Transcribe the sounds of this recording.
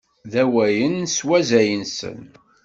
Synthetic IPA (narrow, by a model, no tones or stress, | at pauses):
ðæwæjənːswæzæjənsə̰n